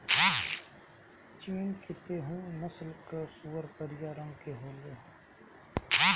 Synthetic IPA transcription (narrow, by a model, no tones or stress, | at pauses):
t͡ʃiːnkʰɪt̪eɦũːmʊslkəsuːəɾpəɾɪjaːɾə̃ŋɡkeɦeːleːɦ